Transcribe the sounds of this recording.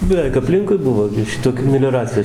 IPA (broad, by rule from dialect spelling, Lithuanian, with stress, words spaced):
bʲɛˈʋʲɛɪk ɐpʲˈlʲɪŋkʊɪ ˈbʊʋoː ɡʲɪ ˈʃʲɪtoːkʲuː mʲɛlʲoːˈrɑːt͡sʲɪjoː